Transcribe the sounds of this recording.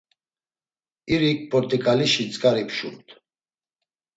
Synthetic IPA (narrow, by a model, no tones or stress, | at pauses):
iɾik̚ʼpʼɔɾt̪ʼikʼaliʃit͡sʼkʼaɾipʰʃumt̪ʰ